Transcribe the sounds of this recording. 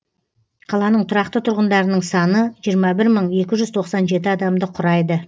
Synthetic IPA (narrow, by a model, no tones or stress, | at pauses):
qʰɑlˠɑnəɴt̪ʰʊɾɑqt̪ət̪ʰʊɾʁənd̪ɑɾənəɴsɑnəʒijəɾmɑbɪɾməɴe̞kʲɪʒʏzt̪ʰo̞qsɑnʒe̞t̪ɪɑd̪ɑmd̪əqʰʊɾɑjd̪ə